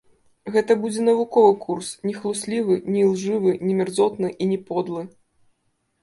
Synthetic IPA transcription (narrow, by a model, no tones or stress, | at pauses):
ɣɛt̪ɐbud͡zʲɛnɐvukɔvɨkursnʲɛxlˠusʲlʲivɨnʲilˠʐɨvɨnʲɛmʲɛrd̪zɔt̪nɨʔinʲɛpɔd̪lˠɨ